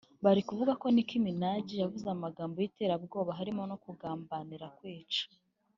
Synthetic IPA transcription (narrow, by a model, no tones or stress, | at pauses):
βaɾikuvuɡako̞nikiminaɟijavuzeamaɡaːmbo̞jite̞ːɾab̚ɡo̞ːβaɦaɾimo̞no̞kuɡaːmbaniɾakwiːt͡ʃḁ